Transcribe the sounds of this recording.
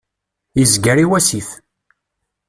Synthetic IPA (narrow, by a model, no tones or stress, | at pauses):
izɡəɾiwæsiθ